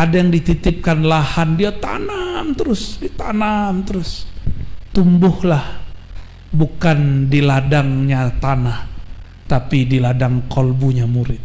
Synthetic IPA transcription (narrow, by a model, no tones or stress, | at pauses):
adajaŋdit̪it̪ɪp̚kanlahandiat̪a̰namt̪əɾʊsdit̪anamt̪əɾʊs | t̪umbʊhlah | bukandiladaŋɲat̪anah | t̪apidiladaŋkɔlbuɲamuɾɪt̪̚